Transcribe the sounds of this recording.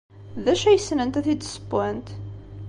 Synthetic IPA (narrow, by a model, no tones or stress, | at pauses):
ðæʃæjəsnənt̪æθid̪sə̥bænt̪